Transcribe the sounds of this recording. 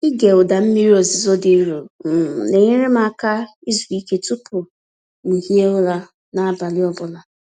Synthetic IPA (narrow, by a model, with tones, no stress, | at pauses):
i˦ɡe˨ʊ˨da˨m̩˦mi˦ɾi˦o˨zɪ˨zo˦de˨˦ɾo˨ne˨ɲe˦ɾe˦m˦a˦˨ka˦ | i˦zu˨i˦ke˦tu˦pʊ˨ | ni˨hi˦e˦ʊ˦la˦ | na˦a˦ba˨lɪ˦ɔ˦bʊ˦la˨